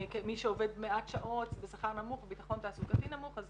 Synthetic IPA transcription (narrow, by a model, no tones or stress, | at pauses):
kemiʃeove̞dmeʔatʃaʔo̞tbesaχaʁnamuχvebitaχo̞ntaːsukatinamuχaz